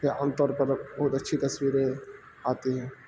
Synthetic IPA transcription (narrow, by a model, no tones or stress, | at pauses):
eaːnt̪ɔːɾpəɾbəɦut̪ətːʃʰit̪ɐswiːɾe | aːt̪iɦɛː